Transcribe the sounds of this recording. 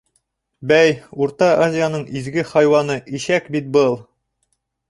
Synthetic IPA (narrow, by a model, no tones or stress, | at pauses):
bæjuɾt̪ɑʔazʲɪjanɤɴʔizɡɘχɑjwɑnɤʔiʃækbit̪̚bɤlˠ